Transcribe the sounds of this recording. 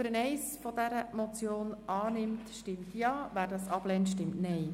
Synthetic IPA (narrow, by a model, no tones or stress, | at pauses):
əɾənɛɪsfɔdɛɾəmɔt͡sjoːnʔɑːnɪmtʃtɪmtjɑːʋæːɾdɑsɑb̥lɛntʃtɪmtnɛɪ